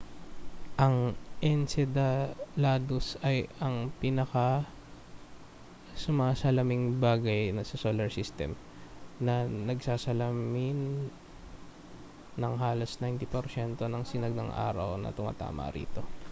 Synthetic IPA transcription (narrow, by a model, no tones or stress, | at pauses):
ʔɐŋʔɛnsɛd̪ɐlaːd̪ʊsɐjɐŋpinɐkɐ | sʊmaːsɐlɐmɪŋbaːɡɐjnɐsɐsoːlɐɹsist̪ɛ̰m | nɐnɐɡsaːsɐlɐmɪn | ɐŋɦaːlɐsnajnt̪ɪpɛɾsɛnt̪o̞nɐŋsɪnɐɡ̚nɐ̰ŋʔa̰ːɾɐ̰wnɐ̰t̪ʊma̰ːt̪a̰ːmʔɐ̰ɾḭːt̪o̞